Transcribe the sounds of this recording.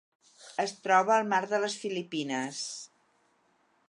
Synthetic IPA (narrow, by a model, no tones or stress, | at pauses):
əst̪ɾɔβ̞əːlˠmaɾðələsfilipinəs